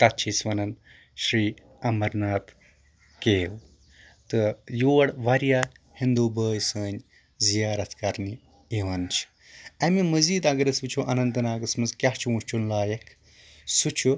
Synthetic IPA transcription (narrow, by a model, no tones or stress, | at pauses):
t̪ɐt̪̚t͡ʃʰisʋɐnɐn | ʃɾiː | ɐmɐɾnaːt̪ʰ | keːw | t̪ɨjoːɐɽʋɐɾijaː | hind̪uːbəːjsəːn | zijaːɾɐt̪ʰkɐɾni | iʋɐnt͡ʃʰi̥ | ɐmimɐziːd̪ɐɡɐɾɐsʋit͡ʃʰuʔɐnɐnt̪ɨnaːɡɐsmɐnzkʲjaht͡ʃʰiũt͡ʃʰunlaːjɐkʰ | sut͡ʃʰu